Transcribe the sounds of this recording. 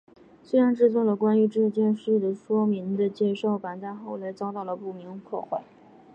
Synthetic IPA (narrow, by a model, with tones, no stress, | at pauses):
swe˥ɪɻa˧˥nʈ͡ʂɻ̩˥˧t͡swɔ˥˩lə˩kwa˥ny˧˥ʈ͡ʂɻ̩˥˧t͡ɕjɛ˥˧nʂɻ̩˥˩d̪ə˩ʂwɔ˥mi˧˥ŋd̪ə˧t͡ɕjɛ˥˧ʂo˥˩ʊpa˨˧˩nt̪a˥˧ɪxo˥˩ʊla˧˥ɪt͡sɑ˥ʊt̪ɑ˥˩ʊlə˩pu˥˩mi˧˥ŋpʰwɔ̰˥˧xwa˥˩ɪ